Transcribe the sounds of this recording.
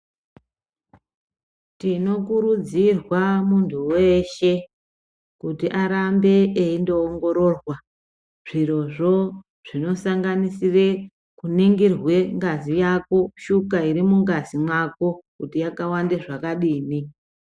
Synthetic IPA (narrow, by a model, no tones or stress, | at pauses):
tino̞kuɾud͡zirwamuntʰuwe̞ʃe̞ | kutiʔaɾambe̞ːindo̞ːŋɡo̞ɾo̞rwa | ʐ̥iro̞ʐo̞ | ʐ̥ino̞saŋɡanisire | kuniŋɡirwe̞ŋɡazijako̞ʃukaiɾimuŋɡazimwako̞kutijakawandeʐakaɗiːni